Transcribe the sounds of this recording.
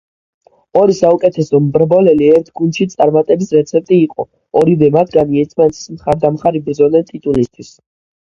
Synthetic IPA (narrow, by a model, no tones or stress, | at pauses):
ɔɾisaukʼɛt̪ʰɛsɔmbɾbɔlɛliɛɾt̪ʰɡund̪ʃit̪sʼaɾmat̪ʼɛbisɾɛt̪sʰɛp̚t̪ʼiːqʼɔ | ɔɾivɛmat̪ʰɡaniɛɾt̪sʰmanɛt̪ʰi̥smχaɾd̪amχaɾibɾd̪zɔnɛt̪ʼit̪ʼulist̪ʰwis